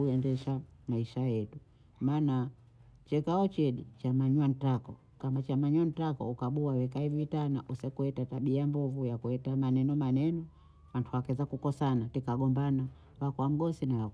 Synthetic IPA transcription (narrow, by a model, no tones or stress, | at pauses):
uɛndɛʃamaiʃajɛtu | maːna | t͡ʃɛkaɔt͡ʃɛɗit͡ʃamaɲwan̩takɔ | kamat͡ʃamaɲwan̩takɔ̰ukaɓuawɛkaivitana̰ʔusɛkuhɛtataɓiambuvujakuɛtamanɛnɔmanɛnɔ | wantʰuwakɛzakukɔsanatikaɡɔmbana | wakɔwam̩ɡɔsinawa